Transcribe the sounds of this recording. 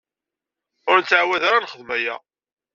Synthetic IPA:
ʊɾnt͡s̪ːʕwæðaɾanχəðmæjæ̰

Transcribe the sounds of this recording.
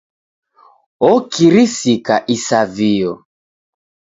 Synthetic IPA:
ɔkiɾisikaʔisaviɔ

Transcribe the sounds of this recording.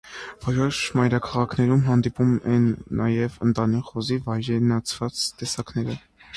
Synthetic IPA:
v̥ɔɾɔʃmɑjɾɑkʰɑʁɑkʰnɛɾumɦɑnd̪ipumɛnːɑjɛvənt̪ɑniχɔzivɑjɾɛnɑt͡sʰvɑt͡st̪ɛsɑknɛɾə

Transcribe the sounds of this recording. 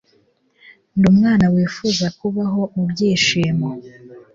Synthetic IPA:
ndumŋaːnawiːfuzakuβaɦo̞mubɟiːʃiːmo

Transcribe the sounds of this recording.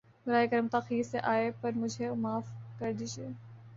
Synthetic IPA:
ɾaːekɐɾəmt̪axiːɾseʔaːepɐɾmʊd͡ʒʱemaːfkɐɾd̪iʃeː

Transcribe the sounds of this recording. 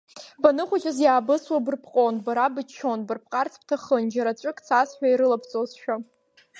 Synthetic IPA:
banɨχʷat͡ʃʼazjaːbɨswabɨrpʰqʼonbaɾabɨt͡ʃʰːonbɨrpʰqʼart͡sʰp̚ʰtʰaχənd͡ʒaɾat͡ɕʷʼɨkʼt͡sʰasħᶣʷaiɾɨlapʰt͡sʼozʃᶣa

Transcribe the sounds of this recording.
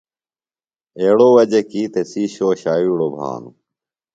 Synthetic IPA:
eːɽoːʋɐd͡ʑekiːt̪esiːɕoːɕaːiːɽoːbʱa̰ːnṵ

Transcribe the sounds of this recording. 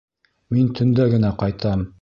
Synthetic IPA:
mint̪ʰɵ̆nd̪æɡɘ̆næqɑjt̪ɑm

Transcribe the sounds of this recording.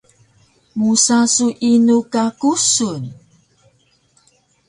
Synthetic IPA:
musasuʔinukakusun

